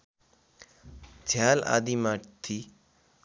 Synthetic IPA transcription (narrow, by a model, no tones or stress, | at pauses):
d͡zʱjaːla̰ːd̪imaːʈt̪ʰi